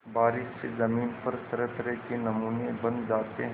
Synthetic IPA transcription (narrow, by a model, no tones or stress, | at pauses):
baːɾɪʃːezɐmiːnpɐɾsɐɾət̪ɾəkenɐmuːnebɐ̃nd͡ʒaːt̪eɦ